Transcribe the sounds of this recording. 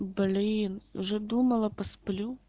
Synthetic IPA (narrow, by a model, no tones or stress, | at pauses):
blʲiinwʒɛd̪umɐlˠɐpɐsplʲu